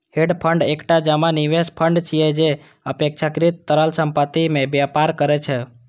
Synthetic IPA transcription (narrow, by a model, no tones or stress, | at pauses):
heɖpʰəɳɖekʈad͡ʒəmaniʋespʰəɳɖt͡ʃʰijed͡ʒe | əpek̚t͡ʃʰakɾit̪ːəɾəlsəmpət̪imẽbjapaɾkəɾɛt͡ʃʰe